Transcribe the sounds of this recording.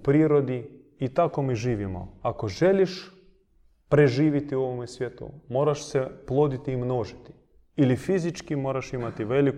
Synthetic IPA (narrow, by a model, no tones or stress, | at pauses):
upɾiːɾo̞d̪i | it̪ako̞miʒiːʋimo̰ako̞ʒe̞liʃ | pɾe̞ʒiːʋit̪io̞ʋomesʋjet̪ṵmo̞ːɾaʃseplˠoːd̪it̪iːmnoːʒit̪i̥ | ilifizit͡ʃkimo̞ːɾaʃimat̪iʋelik